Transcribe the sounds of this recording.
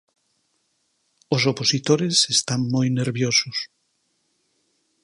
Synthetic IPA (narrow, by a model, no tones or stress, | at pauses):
ʊsoposit̪oɾesest̪aŋmojneɾβjosʊs